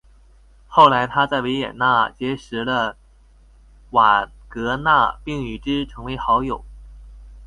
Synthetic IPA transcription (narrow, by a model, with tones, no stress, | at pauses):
xo˥˩ʊla˧˥ɪt̪ʰa˥t͡sa˥˩ɪwe˧˥ɪjɛ̰˨˩nna˥˩t͡ɕjɛ˧˥ʂɻ̩˧˥lə˧ | wa˨˩kɤ˧˥na˥˧pi˥˩ŋy˨˩ʈ͡ʂɻ̩˥ʈ͡ʂʰɤ˧˥ŋwe˧˥ɪxɑ˧˥ʊjo˨˩˦ʊ